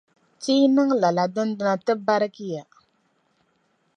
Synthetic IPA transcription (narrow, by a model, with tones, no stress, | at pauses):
ti˦nɨ˦ŋla˨la˨dɨ˦n˦dɨ˦na˦tɨ˦ba˦ɾɨ˦ki˦ja˨